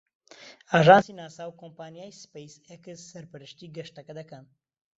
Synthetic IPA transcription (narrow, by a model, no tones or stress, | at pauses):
aːʒaːnsinaːsaːwkʰompaːnijaːjspejsɛkɨzsɐɾpɨɾɨʃt̪iːɡɐʃt̪ɐkɐd̪ɐkɐn